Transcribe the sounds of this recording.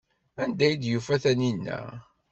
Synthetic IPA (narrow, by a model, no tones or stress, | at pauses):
ænd̪æjid̪jufæθæninːæ̰